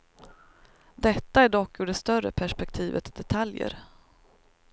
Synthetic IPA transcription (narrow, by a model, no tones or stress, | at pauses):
d̪ɛt̪ːaæɖɔkːʉɖɛst̪œrə̰pʰæʂpɛk̚t̪ʰiːvət̪d̪ɛt̪ʰaljə̰ɾ